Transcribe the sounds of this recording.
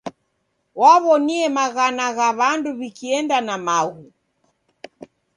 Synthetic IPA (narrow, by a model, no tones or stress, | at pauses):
waβɔniɛmaɣanaɣaβanduβikiɛndanamaɣu